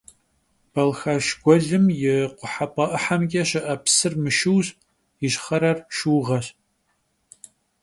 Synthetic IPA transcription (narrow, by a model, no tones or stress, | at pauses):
b̥ɐlxɐʃɡʷɔɮɨmjɪqʷʊħapʼɐʔɨħamɡʲɛɕɪʔɐpsɨrmɨʃɨwɕ | jɪɕχɐɾɐrʃuːʁɐɕ